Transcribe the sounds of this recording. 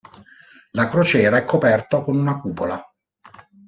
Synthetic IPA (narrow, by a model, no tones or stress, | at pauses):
lakɾot͡ʃɛːɾaɛkʰːopɛrt̪okonunakuːpola